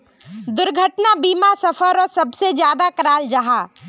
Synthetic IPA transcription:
d̪ʊɾɡʱəʈnabiːmasɐfʰəɾɔːɾsɐbsed͡ʒjaːd̪akɐɾaːld͡ʒaɦaː

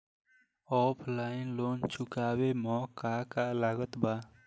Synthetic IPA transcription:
ɔpʰlainlont͡ʃʰukabemɔkakalaɡət̪ba

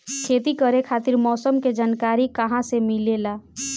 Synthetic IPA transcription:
kʰeːt̪ikəɾekʰaːt̪iɾmɔːsəmked͡ʒaːnkaːɾikəɦãsemilela

